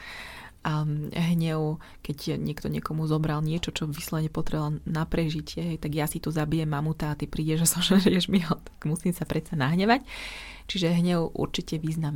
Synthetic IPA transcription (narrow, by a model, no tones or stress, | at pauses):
ɦɲɛʊ | kɛcɲɪɛkt̪ɔɲɪɛkɔmuzɔbɾalɲɪɛt͡ʃɔt͡ʃɔʋislɔʋɲɛpɔt̪ɾɛɦalnapɾɛʒicɪɛɦɛjt̪aɡjasit̪uzabijɛmːamut̪aːt̪ipɾiːɟɛʒasɔmʒɛɾiɛʒmiɦɔt̪ḁɡ̥musiːmsapɾɛt̪t͡sanaɦɲɛʋac | t͡ʃiʒɛɦɲɛʊʔṵɾt͡ʃicɛʋiːznam